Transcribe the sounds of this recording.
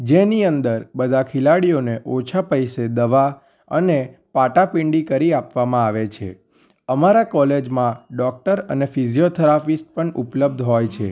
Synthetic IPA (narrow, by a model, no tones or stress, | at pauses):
d͡ʒeniənd̪əɾbəd̪ʱakʰilaɽijoneʔot͡ʃʰapəjsed̪əʋa | ə̰nepaʈapiɳɖikəɾiapʋamãaʋet͡ʃʰḛ | əmaɾakɔled͡ʒmãɖɔk̚ʈəɾənefizijot̪ʰəɾapisʈ̚pəɳupləb̚d̪ʱɦɔjt͡ʃʰḛ